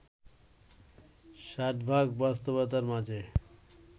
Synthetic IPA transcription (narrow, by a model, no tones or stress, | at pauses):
ʃaʈ̪bʱaɡbast̪obot̪̬aɾmad͡ʑe